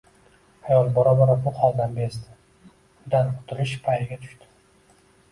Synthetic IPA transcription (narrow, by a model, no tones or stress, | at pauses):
ajɒlˠbɒɾabɒɾapʰʊqʰɒlˠd̪anbesd̪ɪ̥ | ʊd̪anqʰʊ̥t̪ʰɪlɪʃpʰajɪɡʲat̪ʰʊ̥ʃt̪ɪ̥